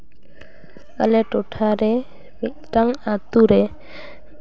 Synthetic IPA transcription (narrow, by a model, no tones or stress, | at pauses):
a̰lɛʈoʈʰaɾɛ | miʔʈaŋat̪uɾɛ